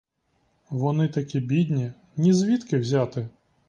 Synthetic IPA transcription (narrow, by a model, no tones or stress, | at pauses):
ʋɔnɪt̪ɐkʲibʲid̪ʲnʲi | nʲizʲʋʲit̪kɪwzʲat̪ɪ